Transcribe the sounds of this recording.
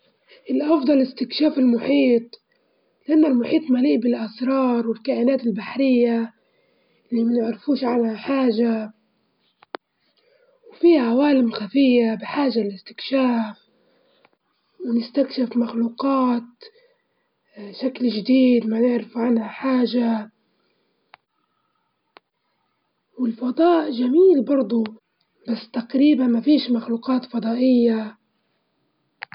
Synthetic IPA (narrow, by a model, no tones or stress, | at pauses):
ʔɪlːiʔɑfd̪ˤɑlɪst̪ɪkʃaːfɪlmʊħiːt̪ˤ | lɪʔanːalmʊħiːt̪ˤmaliːʔbɪlʔasɾˤɑːɾˤwɪlkaːʔɪnaːt̪ɪlbaħɾɪjːa | ʔɪlːimanɪʕɾɪfuːʃʕanhaħaːʒa | wfiʕawaːlɪmxafɪjːabɪħaːʒaɪlɪst̪ɪ̥kʃaːf | wnɪst̪akʃɪfmaxluːqɑːt̪̚ | ʃaklʒd̪iːd̪manɪʕɾɪfʕanhaħaːʒa | wɪlfɑd̪ˤɑːʔʒamiːlbɑɾˤd̪ˤu | b̥asːt̪aqɾiːbanmafiːʃmaxluːqɑːt̪fɑd̪ˤɑːʔɪjːa